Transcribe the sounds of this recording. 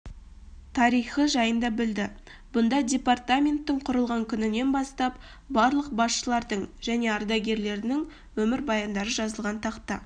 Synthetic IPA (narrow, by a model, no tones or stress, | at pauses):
t̪ʰɑɾijχəʒɑjənd̪ɑbɪld̪ɪ | bʊnd̪ɑdʲe̞part̪amʲe̞nt̪ːɪɴqʰʊɾəlˠʁɑŋkʲʰʏnɪne̞nbɑst̪ɑp | bɑɾlˠəq̚bɑsʃəlˠɑɾd̪əɴʒæne̞ɑɾd̪ɑɡʲe̞ɾle̞ɾɪnɪŋ | wɵmɪɾbɑjɑnd̪ɑɾəʒɑzəlˠʁɑnt̪ʰɑqt̪ɑ̰